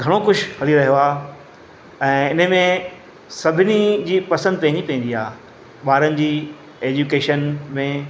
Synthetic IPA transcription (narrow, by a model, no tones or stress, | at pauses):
ɡʱɐɽ̃okʊd͡ʑʱhɐliɾɐɦijoaː | ɛ̃ːɪnəmẽ | sɐbʱɪnid͡ʑiːpɐsə̃nd̪̚pɐ̃ɦɪ̃ɲd͡ʑipɐ̃ɦɪ̃n̆d̪iaː | ɓaːɾənɪ̆d͡ʑiː | eːd͡ʑukeːʃənmẽ